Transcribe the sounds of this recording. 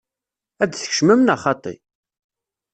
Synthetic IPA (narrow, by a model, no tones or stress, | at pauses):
æd̪θə̥çʃməmnɑχɑt̪ˤːḭ